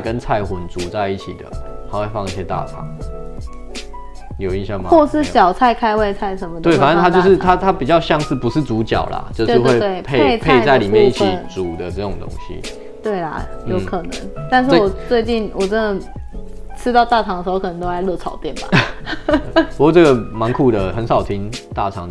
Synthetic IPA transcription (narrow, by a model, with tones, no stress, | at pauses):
kə˦nt͡sʰa˥˩ɪxu˨˦nt͡su˨˥˦t͡sa˥˧ɪi˥˩t͡ɕʰi˨˩d̪ə̰˩a˧˥˦we˥˩ɪfɑ˥˧ŋi˥˩ɕjɛ˦t̪a̰˥˩ʈ͡ʂʰɑ̰˨˦ŋ | jo˨˩ʊi˥˩nɕjɑ˥ŋma˨xwɔ˥˧ʂɻ̩˥˩ɕjɑ˨˩ʊt͡sʰa˥˧ɪkʰa˥ɪwe˥˧ɪt͡sʰa˥˩ɪʂə˨˦nmə˧t̪we˥˧ɪfa˨nə˥˨t̪ʰa˥t͡ɕjo˥˧˥ʂɻ̩˥˨t̪ʰa˦˥t̪ʰa˦pi˨˩t͡ɕjɑ˥˧ʊɕjɑ˥˧ŋsɹ̩˥˩pu˨˦ʂɻ̩˥˩t͡su˨˧˥t͡ɕjɑ̰˨˩ʊla̰˨t͡ɕjo˥˧˥xwe˥˧e˥˩ɪpʰe˥˧˥t͡spʰe˥˧ɪt͡sa˥˩ɪli˨˩mjɛ˥˧˨ni˥˩t͡ɕʰi˨˩t͡su˨˩d̪ə˦t͡sɤ˥˩ʊ˨˩ŋt̪o̰˥ŋɕḭ˦ | t̪we˥˩ɪlɐ̰˩jjo˨˥ʊ˩kʰɤ˨˩nə̰˧˦ŋt̪a˥˧nʂ̬̩˥wɔ˨˩t͡swe˥˧ɪt͡ɕi˥˩nwɔ˨˩ʈ͡ʂə˦nd̪ə˨˩ | ʈ͡ʂʰɻ̩˥t̪ɑ˥˧ʊt̪a˥˩ʈ͡ʂʰɑ˧˥ŋd̪ə˧˩ʂ̩˧o˧kʰɤ˨˩nə˧t̪o˥la˧˥ɪlɤ˥˧˩t͡sʰɑ̰˨˦ʊt̪jɛ˥˩nba̰˨˩ | u˨˥˩t͡sə˥˩ɡə˨˩mɑ˧˥ŋkʰu˨˩d̪ə˩xə˧˦nsɑ˨˩ʊt̪ʰi˧˥nt̪a̰˥˩ʈ͡ʂʰɑ̰˨˦ŋ